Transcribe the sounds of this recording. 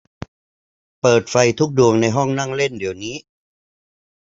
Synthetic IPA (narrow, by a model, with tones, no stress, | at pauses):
pɤː˨˩t̪̚fa˧jt̪ʰu˦˥k̚du˧əŋna˧jɦɔ˥˩ŋna˥˩ŋle˥˩ndi˩˦wniː˦˥